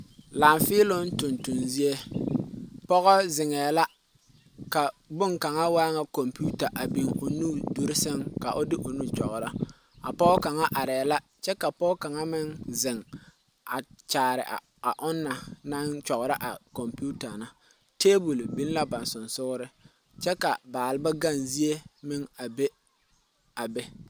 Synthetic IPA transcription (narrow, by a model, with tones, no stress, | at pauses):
laː˨ɱfɪ˦lo˦n˦tʊ˨ntʊ˨nzi˦e˦ | pɔ˦ɣɔ˦zɪ˨ŋɛː˨la˦ | ka˨bʊ˦ŋka˨ŋa˦waː˦ŋa˦ko˨mpu˦ta˨ʔa˨bi˨ŋʊ˨nu˦du˦ɾɪ˦sɪ˦ŋka˨ʔʊ˦dɪ˦ʔʊ˨nu˦t͡ʃɔ̰˨ɣʊ˨ɾa˦ | a̰˨pɔ˦ka˨ŋa˦ʔa˨ɾɛː˨la˦ | t͡ʃɛ˦ka˨pɔː˦ka˨ŋa˦mɪ˦ŋzɪ˨ŋ | a̰˨t͡ʃaː˨ɾɪ̰˨ʔa̰˨ | a˨ʔʊ˦nːa˨na˦nt͡ʃɔ˨ɣʊ˨ɾa˦ʔa̰˨ko˨mpu˦ta˨na˦ | teː˦bʊ˨lbi˦n˦la˦ba˨nsʊ˨nsʊ˦ɣʊ˦ɾɪ˦ | t͡ʃɛ˦ka˨baː˨lɪ˦ba˦ɡa˦˨nzi˦e˦mɪ˦ŋa˨be˦ | a˨be˦